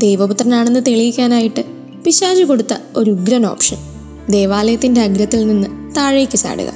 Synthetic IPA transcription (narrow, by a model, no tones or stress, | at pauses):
d̪ejʋɐput̪rɐnaːɳe̞nːɨt̪eɭijikʲːaːnaːjiʈːɨ | piɕaːd͡ʑuko̞ɽut̪ːɐo̞ɾuɡɾɐno̞ːpʂɐ̰n | d̪e̞ːʋaːlɐjɐt̪ːindeɐɡɾɐt̪ːilninːɨt̪aːɻɐjikʲːɐsa̰ːɽṵɣɐ̰